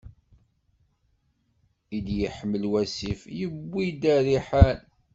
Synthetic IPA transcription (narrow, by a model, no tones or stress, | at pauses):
id̪jəħəmːəlwæsifjəbːid̪æɾiħal